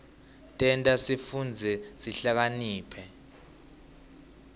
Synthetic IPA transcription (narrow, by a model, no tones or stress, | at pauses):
tʼɛntʼasifund͡zʱɛsiɬak̬aniːpʰɛ